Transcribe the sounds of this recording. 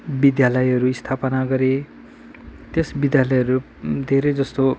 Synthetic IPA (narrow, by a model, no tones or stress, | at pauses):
bid̪jalʌjɦʌɾuist̪ʰapʌnaɡʌɾe | t̪esbid̪jalʌjʌɾu | d̪ʱeɾʌjd͡zʌst̪o